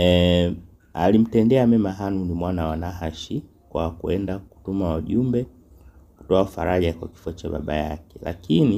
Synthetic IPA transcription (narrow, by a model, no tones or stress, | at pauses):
ɛ | alim̩tɛndɛamɛmaɦanunimwanawanaɦaʃi | kwa̰kuɛndaku̥tumawaʄumbɛ | ku̥tɔaufaɾaʄakwaki̥fat͡ʃaɓa̰ɓa̰jakɛla̰kini